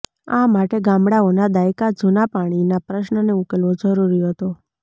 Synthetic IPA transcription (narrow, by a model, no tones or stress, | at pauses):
amaʈeɡãmɽaonad̪ajkad͡ʒunapaɽ̃inapɾəʃnəneukelʋod͡ʒəɾuɾiɦət̪o